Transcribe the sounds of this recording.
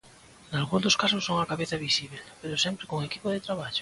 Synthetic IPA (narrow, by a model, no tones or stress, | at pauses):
nalɣund̪oskasʊsːoŋakaβeθaβisiβ̞elpeɾosɛmpɾekoŋekipoðet̪ɾaβ̞aʎʊ